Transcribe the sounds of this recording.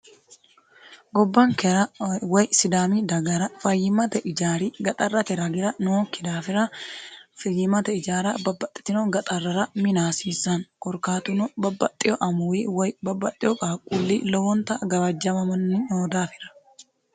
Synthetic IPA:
ɡɔbːɐŋkɛɾɐwɐjsɪd̪aːmiːd̪ɐɡɐɾɐfɐjːɪmɐt̪ɛʔɪd͡ʒaːɾiːɡɐt̪ʼɐrːɐt̪ɛɾɐɡɪɾɐnokːɪd̪aːfɪɾɐ | fɐjːɪmɐt̪ɐɪd͡ʒaːɾɐbɐbːɐt̪ʼːɪ̥t̪ɪnoɡɐt̪ʼɐrːɐɾɐmɪnaːsiːsɐŋkɔɾkaːt̪ʊnɔbɐbːɐt̪ʼːɪjɔʔɐmʊwiwɐjbɐbːɐt̪ʼːɪjɔkʼaːkʼulːiːlɔwɔnt̪ɐɡɐwɐd͡ʒːɐmɐmɐnːɪoːd̪aːfɪ̥ɾɐ̥

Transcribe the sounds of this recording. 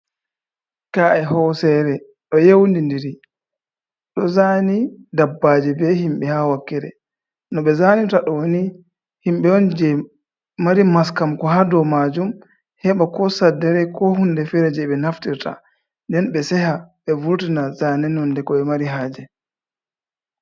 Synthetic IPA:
kaʔɛhɔsɛɾɛ | ɗɔjewndindiɾi | ɗɔzanidabːad͡ʒɛbɛhimɓɛhawakːɛɾɛ̰ | nɔɓɛzanitaɗɔwoni | himɓɛɔnd͡ʒɛ | maɾimaskamkɔɦadɔmad͡ʒum | hɛɓakɔsadɛɾɛkɔhundɛfɛɾɛd͡ʒɛɓɛnaftiɾta̰ | ndɛnɓɛsɛhaɓɛvuɾtinazanɛnɔndɛkɔɛmaɾiɦaːd͡ʒɛ

